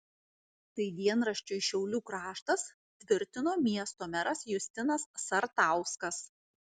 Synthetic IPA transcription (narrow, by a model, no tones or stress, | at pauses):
t̪ɐɪd̪ʲiɛnɾɐʃʲt͡ʃʲʊɪʃʲɛʊlʲuːkɾɑːʃt̪ɐs | t̪ʲʋʲɪɾʲt̪ʲɪnoːmʲiɛst̪oːmʲɛɾɐsjʊsʲt̪ʲɪnɐsːɐɾt̪ɑˑʊskɐs